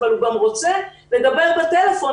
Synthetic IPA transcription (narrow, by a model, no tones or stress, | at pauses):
aluɡamʁo̞t͡se | led̪abe̞ʁbet̪elefo̞